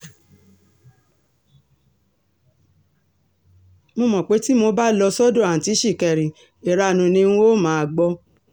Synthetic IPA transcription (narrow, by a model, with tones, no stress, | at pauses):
mo˧mɔ̃˨k͡pe˨˦ti˦mo˧ba˦lɔ˧sɔ˦dõ˦˨a˨n̩˨ti˨˦ʃi˦˨kɛ˨ɾĩ˨ | e˨ɾa˧˨nũ˨nĩ˧ũ˧˦o˦˨mãː˦a˧˨ɡ͡bɔ˧˦